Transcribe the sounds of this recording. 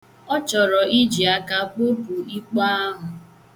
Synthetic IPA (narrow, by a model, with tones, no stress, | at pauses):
ɔ˦t͡ʃɔ˨ɾɔ˨i˦d͡ʒi˨a˨ka˨k͡po˦pu˨i˦k͡pa˦a˦ɦʊ˨